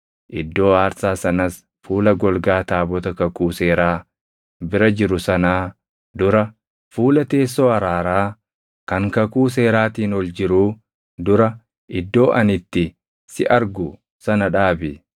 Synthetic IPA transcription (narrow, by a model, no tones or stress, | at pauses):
ʔɪd̪ːo̞ːhaːɾsaːsɐnɐs | fuːlɐɡɔlɡaːt̪aːbɔt̪ɐkɐkuːseːɾaː | bɪɾɐd͡ʒɪɾʊsɐnaː | d̪ʊɾɐ | fuːlɐt̪e̞ːsːo̞ːɐɾaːɾaː | kɐŋkɐkuːs̬e̞ːɾaːt̪iːnɔld͡ʒɪɾuː | d̪ʊɾɐ | ʔɪd̪ːo̞ːʔɐnɪt̪ːɪ | sɪʔɐɾɡʊ | sɐnɐᶑaːbɪ